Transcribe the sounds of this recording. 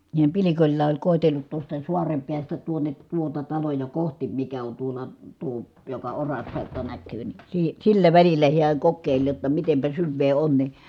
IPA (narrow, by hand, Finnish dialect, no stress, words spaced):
nehæm pilikolʲlɑː olʲ koˑetelːut tuostɑ suɑrem piæstæ tuone tuotɑ tɑlojɑ kohtim mikæ on tuolˑɑ tuo jokɑ orɑspelto nækˑyː ni siː silːæ ʋælilːæ hiæŋ kokːeˑilʲ jotːɑ mitempæ syʋːeː on ni